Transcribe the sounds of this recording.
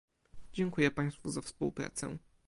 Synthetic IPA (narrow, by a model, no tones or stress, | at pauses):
d͡ʑɛŋkujɛpaj̃st̪fuzafspuwpɾa̰t̪sɛ̰̃